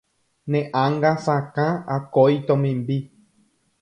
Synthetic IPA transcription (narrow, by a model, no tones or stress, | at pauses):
nẽʔãŋɡasãkãakoit̪omĩmbi